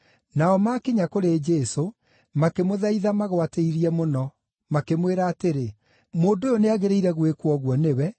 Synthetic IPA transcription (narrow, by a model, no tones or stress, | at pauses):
naɔmakeɲakoɾed͡ʒɛso | makemoðaiðamaɣwateiɾiɛmonɔ | makemweɾaːteɾe | moːndojoneaɣeɾeiɾɛɣwekwɔɣwɔnewɛ